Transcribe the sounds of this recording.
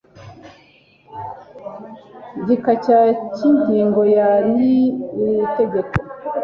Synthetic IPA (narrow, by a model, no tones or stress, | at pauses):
ɟikacaciɲɟiːŋɡo̞janiiɾite̞ɡeko